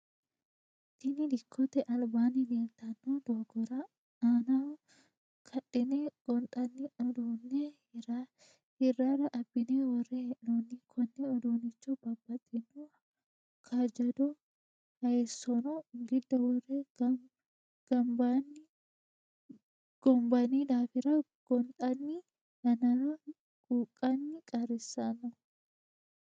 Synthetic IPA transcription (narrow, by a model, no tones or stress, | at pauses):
t̪ɪnɪd̪ɪkʰːɔt̪ɛʔɐlbaːnɪd̪eːlt̪ɐnːod̪oːɡɔɾa | aːna | kʰɐᶑɪneːɡ̥ɔnt̪ʼɐnːɪɔd̪oːnːe | a | hɪrːaːɾɐʔɐbːɪneːwɔrːeʔoːnːɪkʰɔnːɛɔd̪oːnɪt͡ʃːɔbɐbːɐt̪ʼːɛnːuɐ | kʰad͡ʒɐd̪ɔ | hɐjɛsːɔnɔɪŋɡɪd̪ːɐwɔrːeːɡɐ | ɡ̥ɐmbaːnːɪ | ɡ̥ɔmbɐniːᶑ̪aːfɪɾɐ | ɡ̥ɔnt̪ʼɐnːi | nɐnɐɾ | ɡ̥uːkʼːɐnːɪkʼɐɾɪsːanɔ